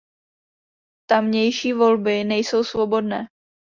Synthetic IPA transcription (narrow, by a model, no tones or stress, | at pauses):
t̪amɲɛjʃiːvo̞lbɪnɛjso̞wsvo̞bo̞dnɛː